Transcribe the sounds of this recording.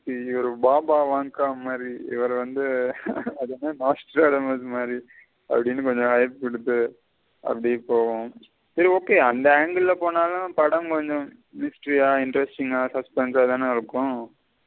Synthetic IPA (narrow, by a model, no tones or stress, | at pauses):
siɔɾɯbaːbaːʋaːŋkaːmaːd̪ɾiɪ̰ʋɐɾʋɐnd̪ɯɐðɐnanaːsʈɾaːɽɐmɐsmaːd̪ɾi | ɐ̰pːɐɽɪnːɯkɔɲd͡ʒɔ̃ɦɐɪpɪɽɯt̪ːɯ | ɐ̰pːɐɽipːoːʋõ | sɐɾioːkːeːɐnd̪ɐaːŋɡɐɭɪlɐpoːnaːlʊ̃pɐɽɐ̃mkɔɲd͡ʒɔ̃ | mɪsʈɾijaːɪɳɖɾɛsʈɪŋaːsɐspɛnsaːt̪ãːnɯɪɾɯkːʊ̃